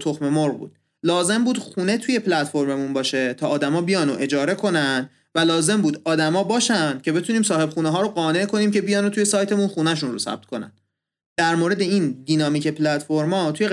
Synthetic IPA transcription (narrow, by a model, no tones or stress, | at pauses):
t̪ʰo̞xme̞moɾbṵːd̪̥ | lɒːze̞mbuːd̪xχuːne̞t̪ʰuje̞pʰlæt̪fo̞ɾmemunbɒːʃet̪ʰɒːd̪æmɒːbijɒːnoʔe̞d͡ʒɒːɾe̞kʰo̞nænd̪ | vælɒːze̞mbuːd̪ɒːd̪æmɒːbɒːʃænd̪̥cʰe̞be̞t̪ʰuːniːmsɒːhe̞bxuːneɦɒːɾoɢɒːne̞ʔkʰo̞niːmce̞bijɒːnot̪ʰuje̞sɒːjt̪ʰe̞munxuːnæʃ̬unrosæ̰b̚t̪̚kʰo̞næ̰n | d̪̥æɾmoːɾe̞d̪eind̪iːnɒːmiːcʰe̞pʰlæt̪ʰfoɾmɒːt̪ʰuje̞